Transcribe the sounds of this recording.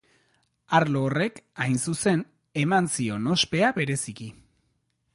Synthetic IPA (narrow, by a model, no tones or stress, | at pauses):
aɾloːre̞kajnsuse̞n | e̞mansio̞no̞spe̞aβe̞ɾe̞siki